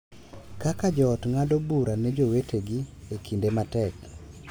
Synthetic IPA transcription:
kakad͡ʒɔːtŋadɔbuɾanɛd͡ʒoweteɡiekʰindematɛk̚

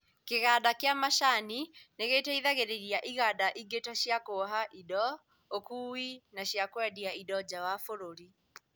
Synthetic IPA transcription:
keɣaɗakjamaʃanineɣetaiðaɣeɾeɾiaʔiɣadaʔiɡetaʃjakoɦaʔidɔ | okuinaʃjakwɛdiaidɔd͡ʒawafoɾoɾi

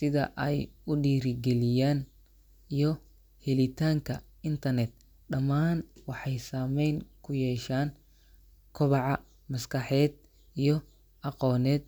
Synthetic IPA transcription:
sɪðɐ̰ʔɛjʊɖiːɾɪɡɛlɪjaːn | ijɞ | hɛlɪt̪ʰaːŋkʰɐ | ɪnt̪ʰɐrnɛt̪̚ | ɗɐmaːnwɑħɑjsaːmɛjŋkʰʊjɛːʃaːn | kʰɔβɑʕɑ | mɐskʰɐħɛːd̪̚ | ijɞ | ɑqɔːnɛːd̪̚

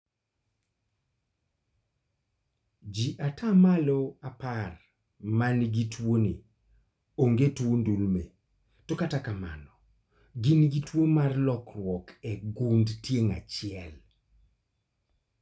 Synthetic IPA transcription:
d͡ʒiʔatʰamalɔapar | manɡitwoni | oŋɡetwondulme | tɔkatakama̰nɔ | ɡinɡitwomarlɔkrwɔkɛɡundtjeŋa̰t͡ʃɪɛl

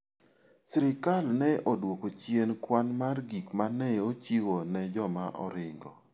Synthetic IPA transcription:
sɾɪkalnɛʔodwokot͡ʃjenkwanmarɡikmanɛot͡ʃiwonɛd͡ʒɔmaʔɔ̰ɾɪŋɡɔ̰

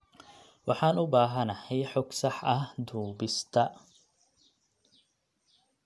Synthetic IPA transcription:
wʔɑħɑːnʔʊbaːɦɐnɐhɛjħɔɡsɐħɐhd̪uːbɪst̪ʰɐ

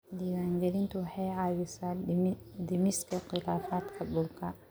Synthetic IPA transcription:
d̪iːwaːŋɡɐɾɪnt̪ʰʊwɑħɑjʕaːwɪsaːd̪ɪmɪskʰɐxɪlaːfaːd̪kʰɐbʊlkʰɐ

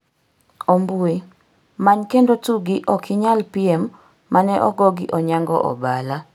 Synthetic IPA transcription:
ombui | maɲkendotuɡiʔɔkɪɲalpiemː | anɛʔɔɡɔɡḭʔɔɲaŋɡɔ̰ʔɔ̰bala

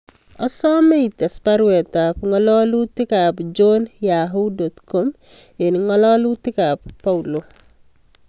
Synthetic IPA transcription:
ɔsɔmɛitɛspaɾwɛtapŋɔlɔlutɪkapd͡ʒɔnjaɦudot̪komɪnŋɔlɔlutɪkapːaulo

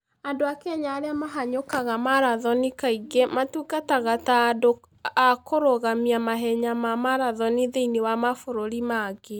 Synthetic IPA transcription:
andoakɛɲaːɾeamaɦaɲokaɣamaɾaðɔnikaiɡematukataɣatado | akoɾoɣamiamaɦɛɲamamaɾaðɔniðeinewamafoɾoɾimaɣe

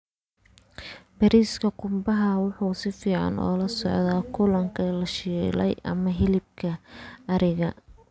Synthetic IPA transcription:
bɐɾiːskʰɐqʊmbɐɦɐwʊħuːsɪfiːʕɑ̰nɔ̰ːlɐsɔʕðaːkʰʊlɐŋkʰɐlɐʃiːlɛ̰jʔɐ̰mɐɦɪlɪb̚kʰɐːɾɪɣɐ

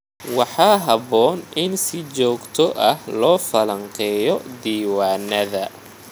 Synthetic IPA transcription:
wɑħɑːɦɐβɔːnʔɪnsɪt͡ʃɔːɡt̪ʰɔʔɐhlɔːfɐlɐɴqɛːjɔd̪iːwɑːnɐðɐ

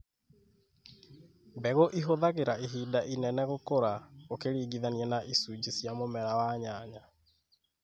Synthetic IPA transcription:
mbɛɣoʔiɦoðaɣeɾaeɦiːdaʔinɛnɛɣokoɾaokeɾiːɡiðaniɛnaʔisud͡ʑisjamomɛɾawaɲaɲa

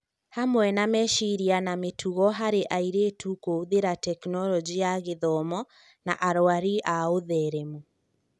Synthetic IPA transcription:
hamwɛnamɛʃiɾianametʰuɣɔɦaɾeʔaiɾetukooðeɾatɛknɔlɔd͡ʒiaɣeðɔmɔ | na̰ʔaɾɔaɾiʔaoðɛɾɛmu

